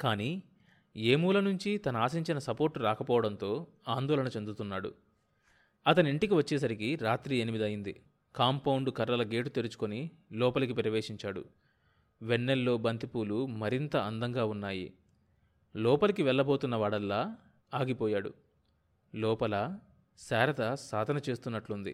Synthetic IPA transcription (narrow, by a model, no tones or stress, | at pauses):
kaːniː | e̞ːmuːlɐnuɲt͡ʃit̪ɐnɐaːsiɲt͡ʃinɐsɐpo̞ːɾʈːuɾaːkɐpɔːʋɐɽɐnt̪o̞ː | aːnd̪ɔːlɐnɐt͡ʃe̞nd̪ut̪unːaːɽṵ | ɐt̪ɐniɳʈikiʋɐt͡ʃːɛːs̬ɐɾikiɾaːt̪ɾienimid̪ɐjind̪ḭ | kaːmpɐwuɳɖukɐɾlɐlɐɡe̞ːʈut̪eɾut͡ʃu̥ko̞ni | lɔːpɐlɐkipɾɐʋeːʂiɲt͡ʃaːɽṵ | ʋeɳːelːo̞ːbɐnt̪ipuːlumɐɾint̪ɐɐnd̪ɐŋɡaːunːaːjḭ | lɔːpɐlɐkiʋɛɭːɐbo̞ːt̪unːɐʋaːɽɐlːaː | aːɡipɔːjaːɽṵ | lɔːpɐlɐ | saːɾɐt̪ɐsaːd̪ʱɐnɐt͡ʃe̞ːst̪unːɐʈlund̪ḭ